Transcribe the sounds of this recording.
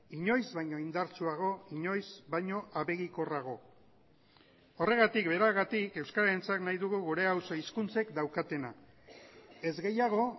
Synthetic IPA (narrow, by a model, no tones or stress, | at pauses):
iɲo̞jzβajɲo̞ind̪aɾt͡suaɣ̞o̞iɲo̞jzβajɲo̞ʔaβe̞ɣiko̞raɣ̞o̞ | ore̞ɣat̪ikbe̞ɾaɣat̪ike̞wskaɾaent͡saknajðuɣ̞uɣuɾe̞awso̞iskunt͡se̞kd̪awkat̪e̞na | e̞zɣe̞jaɣ̞o̞